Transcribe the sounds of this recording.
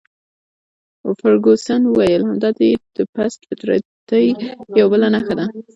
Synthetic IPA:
ʊfaɾɡosanəwajəlhamd̪ɑd̪ed̪̥əpasfɪt̪ɾa̰t̪əjjawabəlanaxad̪a

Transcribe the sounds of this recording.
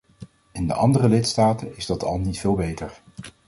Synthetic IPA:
ɪndəʔɑ̰ndərəlɪtstaːtənɪzdɑtʰɑ̰lˠnitfɪːlˠbejtəɹ

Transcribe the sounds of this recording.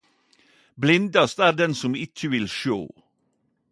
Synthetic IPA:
blɪnd̪ɑst̪æːɾd̪ɛnsʊmɪt͡ʃəʋɪlʃo̰ː

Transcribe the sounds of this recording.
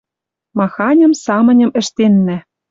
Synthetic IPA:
mɑxɑnʲɤ̆msɑmɤ̆nʲɤ̆mɘ̆ʃt̪enːæ

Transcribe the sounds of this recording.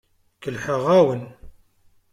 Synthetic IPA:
kəlħəʁæwən

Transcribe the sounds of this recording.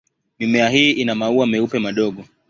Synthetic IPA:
mimɛaɦiːʔinamauamɛupɛmaɗɔɠɔ

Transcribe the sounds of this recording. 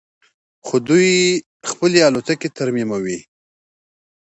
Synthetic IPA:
xod̪uj | xpəlealot̪aket̪aɾmimawi

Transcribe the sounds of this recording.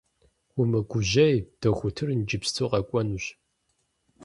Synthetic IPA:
ʊmɐɡʷʊʑɐjd̥ɐχʷʊtʰɨrnd͡ʒɪpstʰoːqɐkʷʼɔnuɕ

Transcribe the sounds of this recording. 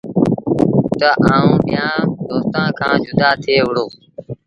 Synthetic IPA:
t̪əʔaːũːɗɪjãːd̪oːst̪ãːkʰãːd͡ʒʊd̪aːt̪ʰeːʋʊɽoː

